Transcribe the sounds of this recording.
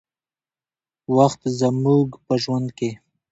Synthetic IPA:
waxt̪zamuɡpəʒwand̪ke

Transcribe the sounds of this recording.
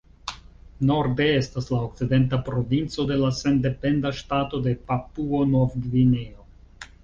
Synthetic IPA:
no̞ɾde̞estaslaok̚t͡side̞ntapɾo̞vint͡so̞de̞lase̞nde̞pe̞ndaʃtato̞de̞papuonovɡvineo

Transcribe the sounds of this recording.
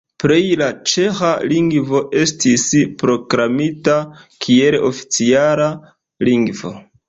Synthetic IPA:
pɾejlat͡ʃe̞xaliŋɡvo̞ʔe̞stispɾo̞kɾamitakʰie̞lofi̥t͡siala | liŋɡvo̞̰

